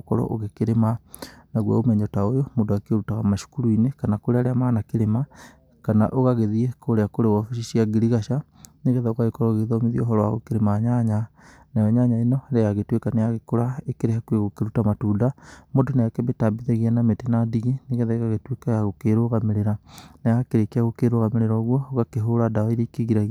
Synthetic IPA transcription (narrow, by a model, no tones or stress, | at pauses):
okɔ̰ɾɔ̰ʔo̰ɣekeɾemanaɣwa̰omɛɲɔtaojomondowakeoɾutaɣamaʃu̥kuɾuinekanakoɾeaɾeamanakeɾema | kana̰ʔoɣaɣeðiɛkoɾeakoɾewɔfiʃiʃiaɡiɾiɣaʃa | neɣɛðaoɣaɣekoɾɔɣeðɔmeðiɔo̰ɦɔɾɔwa̰ɣokeɾemaɲaɲa | najɔɲaɲaenɔɾejaɣetwekanejaɣekoɾaekeɾehakweɣokeɾutamatuːdamodonajakɛbetabiðɛɣianametenadiɣeneɣɛðaeɣaɣetwekajaɣokeɾoɣameɾeɾanajakeɾekeaɣokeɾoɣameɾeɾɔɣwɔoɣakeɦoɾadawaiɾekeɣiɾaɣ